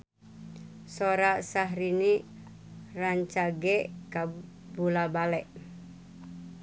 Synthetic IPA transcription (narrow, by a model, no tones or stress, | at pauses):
soɾasaɦɾini | raɲt͡ʃaɡɛka | bulabalɛʔ